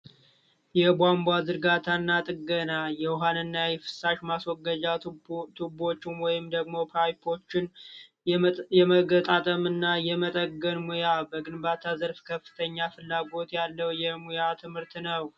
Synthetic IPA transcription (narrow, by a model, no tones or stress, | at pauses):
jɛbwambwad̪ɨɾɡat̪ʰanːat̪ʼɨɡənajɛwɦanɨnːajɛfɨ̥sːaʃmaswɔɡːəd͡ʒat̪ʰubo̞t͡ʃːɪnwɔjɪmd̪əɡmo̞pʰajpʰo̞t͡ʃːɪn | jɛməɡət̪ʼat̪ʼəmɨnːajɛmət̪ʼəɡənmujabəɡɨnbat̪ʰazəɾfkʰəfːɨ̥t̪ʰəɲːafɨlːaɡo̞t̪jalːəwjɛmujat̪ʰɨmhɨɾt̪nəw